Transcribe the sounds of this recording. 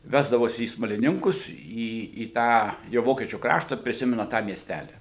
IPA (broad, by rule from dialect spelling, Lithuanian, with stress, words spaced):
ˈʋʲæːzdɐʋoːsʲɪ iː smɐlʲɪˈnʲɪŋkʊs iː iː ˈtɑː jɛʊ ˈʋoːkʲiɛt͡ʃʲuː ˈkrɑːʃtɐ pʲrʲɪˈsʲɪmʲɛnɐ tɑː mʲiɛˈsʲtʲælʲɪ